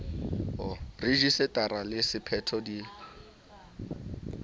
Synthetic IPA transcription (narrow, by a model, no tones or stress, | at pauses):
ɔreʒisɪtʼaɾalɪsɪpʰɛtʰɔdi